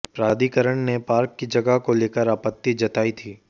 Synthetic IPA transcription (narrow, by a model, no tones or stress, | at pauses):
pɾaːd̪ʱikəɾəɳ̃nepaːɾkːid͡ʒɐɡaɦkoleːkəɾaːpət̪ːid͡ʒɐt̪aːit̪ʰiː